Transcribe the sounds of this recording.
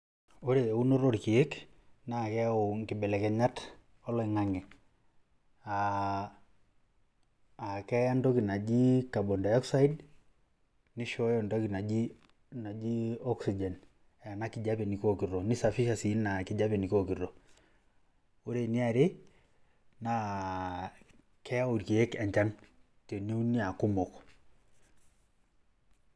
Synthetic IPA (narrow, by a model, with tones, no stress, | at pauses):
o˦ɾe˨u˦no˦ɾo˦ɾki˨e˦k | na˨kɛ˦a˦o˨ŋkɪ˨bɛ˨lɛ˨kɛ˨ɲa˦t | ɔ˦lɔ˦i˨ŋa˦ŋɛ˨ | a˨ | kɛ˦ja˦ndɔ˦ki˨na˨d͡ʒi˦ka˨bɔ˨nda˨ɔ˦ksa˦i˦d | ni˦ʃɔ˦jɔndɔ˦ki˨na˨d͡ʒi˦ | na˨d͡ʒi˦ɔ˦ksi˨d͡ʒɛ˨n˨ | ja˨na˦ki˨d͡ʒa˦bɛ˨ni˨ko˦ki˨rɔ˨ni˦sa˨fi˦ʃa˨si˨˦nna˨ki˨ɟa˦bɛ˨ni˨ko˦ki˨ɾɔ˨ | o˦ɾe˨ni˦a˨ɾe˦ | na˨˦ | kɛ˦ja˦u˨ɾki˨e˦ka˨ɲt͡ʃa˦n | te˨ne˦u˦ni˦a˨ku˦mɔ˨k